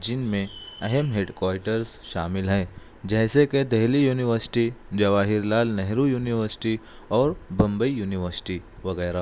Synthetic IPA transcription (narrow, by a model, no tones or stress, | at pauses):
d͡ʒɪnmẽɐɦɛmɦeɖkwaːɪʈəɾsʃaːmɪlɦɛ̃ː | d͡ʒɛːseked̪ɛɦlijuːnɪʋəɾsɪ̥ʈid͡ʒɐʋaːɦɪɾlaːlnɛɦɾujuːnɪʋəɾsɪ̥ʈi | ɔːɾbɐ̃mbəijuːnɪʋəɾsɪ̥ʈiʋɐɣɛːɾa